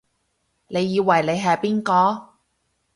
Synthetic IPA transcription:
le˨˧jːiː˨˧wɐ˨˩jle˨˧jɦɐ˨jpiː˥nkɔː˧

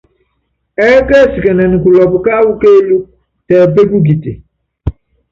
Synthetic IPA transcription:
ɛ˦kɛ˦si˨kɛ˨nɛ̃˨nũ˨ku˨lɔ˨bu˨ka˦wu˦ke˦lu˦ | tɛ˨be˦bu˦ɡi˨ti˨

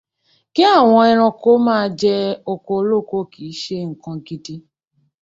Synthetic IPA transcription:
ki˦a˦˨w̃ɔ̃˧ɛ˧ɾ̃ɔ̃˧ko˦mãː˦d͡ʒɛ˦o˧ko˧˦lo˦˨ko˦ki˨˦ʃe˦ŋ̩˨kã˧ki˦ti˦

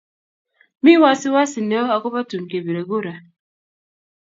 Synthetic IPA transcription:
mi˦wa˦si˦wa˦si˨nɛ˨˦ɔ˦a˨kʊ˦pa˦tu˨n˨ke˨be˨ɾo˨ɡo˦ɾa˨

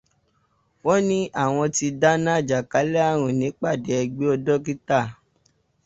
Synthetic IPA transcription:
wɔ˦nĩ˦ʔa˦˨w̃ɔ̃˧ti˧da˦nã˦˨d͡ʒa˨ka˨˦lɛ˦a˦˨ɾ̃ũ˨nĩ˨˦k͡pa˦˨dɛ˨˦ɛ˧ɡ͡be˦ɔ˧dɔ˦k̬i˦ta˦˨

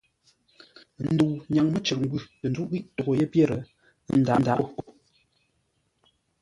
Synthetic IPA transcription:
n̩˦du˨wɲa˨ŋmə˦t͡ʃə˨k̚ŋ̩˦ɡʉ˦˨tə˨nd͡zu˦ʔwi˦ʔto˨ɡo˨je˦pje˦˨ɾə˨˦ | n̩˦˨da˨˦da˨˦˨ko˦

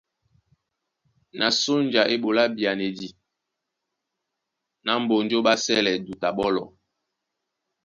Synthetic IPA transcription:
na˨so˦nd͡ʒa˨ʔe˦ɓo˨la˦bi˨a˨ne˨di˨ | na˨˦m̩˦bo˨n˦d͡ʒo˦ɓa˦sɛ˦lɛ˨du˨ta˨ɓɔ˦lɔ̰˨

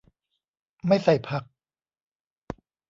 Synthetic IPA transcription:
ma˥˩jsa˨˩jpʰa˦˥k̚

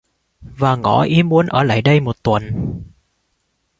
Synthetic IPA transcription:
vaː˨˩ŋɔ̰˧˥ʔi˨˦əmːu˨˦ənʔəː˧˩la̰ː˧˨jɗə˧jmo˨˩t̚t̪wə˨˩n

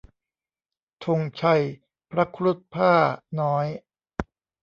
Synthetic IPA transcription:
t̪ʰo˧ŋt͡ɕʰa˧˩j | pʰɾa˦˥kʰɾu˦˥˩t̪̚pʰaː˥˩nɔː˦˥j

